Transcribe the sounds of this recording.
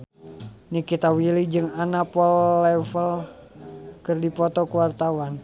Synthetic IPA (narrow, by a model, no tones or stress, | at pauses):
nikit̪awilid͡ʒɨŋanapɔllɛfəl | kɨrdipɔt̪ɔkuwart̪awan